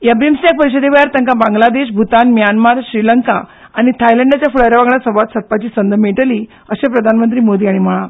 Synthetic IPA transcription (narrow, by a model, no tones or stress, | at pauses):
jəbɾimsjak̚pəɾiɕəd̪ʱebajaɾt̪ə̃ŋkabãŋɡlad̪eɕ̬bʱut̪anmjanmaɾɕɾiləŋkaː | ɽ̃it̪ʰajləɳɖat͡ɕjafuɭaɾjaʋãɡɳjasəʋat̪sət̪̚pat͡ɕiːsənd̪ʱəmeʈəliː | əɕapɾəd̪ʱanmənt̪ɾiːmod̪iːaɽ̃im̤əɭã